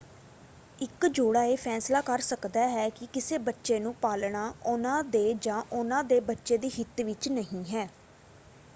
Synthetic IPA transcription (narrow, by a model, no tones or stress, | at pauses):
ɪkd͡ʒoːɽaːeːpʰɛːslaːkəɾsəkd̪aːɦɛːkɪkɪseːbətːʃeːnũːpaːlɳaːʊnãːd̪eːd͡ʒãːʔʊnãːd̪eːbətːʃeːd̪iːɦɪt̪ʋɪt͡ʃnəɦĩːɦɛː